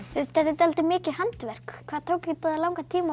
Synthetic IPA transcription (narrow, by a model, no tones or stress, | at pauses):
vɪðt̪ɛðɪt̪alt̪ɪmɪːcɪhant̪vɛr̥kkʰv̥aðt̪ʰowcɪt̪aðalawŋkat̪ʰiːma